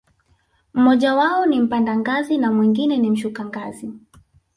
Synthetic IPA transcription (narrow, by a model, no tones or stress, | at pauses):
m̩mɔʄawaɔnim̩pandaŋɡazinamwiŋɡinɛnim̩ʃukaŋɡazi